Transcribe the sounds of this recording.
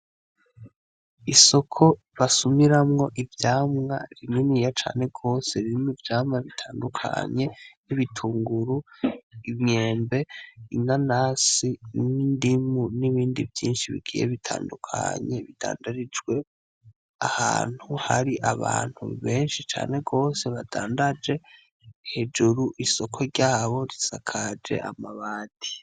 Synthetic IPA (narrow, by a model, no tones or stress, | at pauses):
iso̞kʰo̞ | βasumiɾamŋo̞ʔivjaːmŋa̰ɾininijat͡ʃa̰ːne̞ɡo̞ːse̞ɾiimivjaːmŋaβitʰaːndukʰa̰ɲe̞niβitʰuːŋɡuɾuimɲe̞ːmbe̞inanaːsinindimuniβiːndivjiːnʃiβḭɡiːjḛβitʰa̰ːndukʰa̰ɲe̞βid̥a̰ːndaɾid͡ʒɡwe̞ | aha̰ːn̥huhaɾiʔaβa̰ːn̥hṵβe̞ːnʃit͡ʃa̰ːne̞ɡo̞ːse̞βadaːndad͡ʒe̞ | he̞d͡ʒuɾuʔiso̞kʰo̞ɾɟaːβo̞ɾisakʰad͡ʒe̞̰ʔamaβaːdi̥